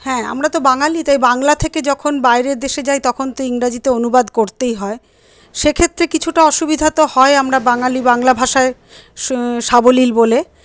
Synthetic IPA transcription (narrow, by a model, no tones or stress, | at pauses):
hɛ̃a̰mɾat̪obaŋalit̪ajbaŋlat̪ʰeked͡ʑɔkʰonbajɾeɾd̪eʃed͡ʑajt̪ɔkʰont̪oiŋɾad͡ʑit̪eonubad̪koɾt̪ejɦɔe | ʃekʰet̪ːɾekit͡ɕʰuʈaɔʃubid̪ʱat̪ohɔeamɾabaŋalibaŋlabʱaʃae | ʃabolilbole